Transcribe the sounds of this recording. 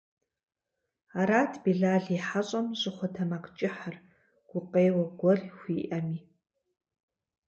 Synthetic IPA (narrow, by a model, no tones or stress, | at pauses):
aːɾaːtʰbiɮaːɮiħaɕʼɐmʑʼɨχʷʊtʰɐmaqt͡ʃʼɪħar | ɡ̥ʷʊqeːwɐɡʷɔrixʷiːʔɐmiː